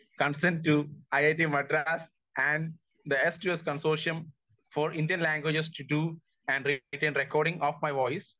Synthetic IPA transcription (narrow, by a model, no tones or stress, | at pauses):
kʌ̃nsẽɾɳɖ̚ʈːuaɪaɪʈimɐɖɾaːs | æ̃ɳɖ | d̪əesʈueskə̃nsoːʃə̃n | fɔːɾɪ̃nɖijə̃nlæ̃ːŋɡwed͡ʒesʈuɖuː | æ̃ɳɖɾiʈẽːnɾekɔːɾɖɪ̃ŋɔːfmaɪʋɔɪs